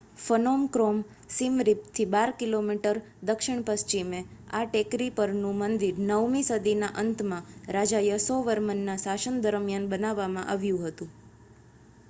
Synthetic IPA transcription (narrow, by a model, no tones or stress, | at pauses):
fənomkɾom | simɾip̚t̪ʰibaɾkilomiʈəɾ | d̪əkʃɪɳ̃pəst͡ʃimeaʈekɾipəɾnũmənd̪iɾnəʋmĩsəd̪inaʔənt̪ʰmãɾad͡ʒajəsoʋəɾmənːasaʃənd̪əɾmjanbənaʋːamãʔaʋjũɦət̪ũ